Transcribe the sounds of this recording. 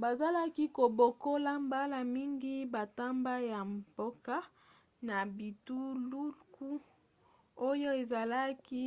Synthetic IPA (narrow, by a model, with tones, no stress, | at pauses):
ba˨za˦la˦ki˦ko˨bo˨ko˦la˦mba˦la˨mi˦ŋɡi˦ba˨ta˦mba˦ja˨mbo˦ka˦ | na˨bi˨tu˦lu˦ku˦ | o˦jo˦e˨za˨la˦ki˦